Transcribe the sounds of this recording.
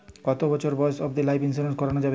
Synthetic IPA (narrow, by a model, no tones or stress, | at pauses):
kɔt̪obɔt͡ɕʰoɾbɔesɔbd̪ilajpins̬iɾenskɔɾanod͡ʑabe